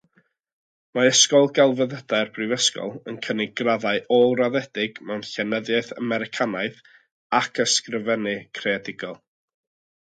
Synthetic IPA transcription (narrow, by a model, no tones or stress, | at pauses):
maəskɔlˠɡalˠvəðədarbrɨvəskɔ̰lˠənkʰənɪɡraðaɨʔɔraðɛdɪɡmɛwnɬɛnəðjaɨθa̰mɛɾɪkʰanaɨθ | akʰəskrəvɛnɨkʰreadɪɡɔlˠ